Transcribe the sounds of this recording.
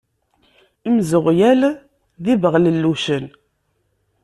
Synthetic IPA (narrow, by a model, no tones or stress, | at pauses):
imzəʁjæl | ðivəʁləlːuʃən